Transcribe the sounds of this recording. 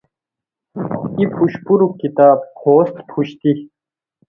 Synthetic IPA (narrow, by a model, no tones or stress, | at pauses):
ipʰuɕpuɾukit̪aːb̚hoːst̪pʰuɕt̪i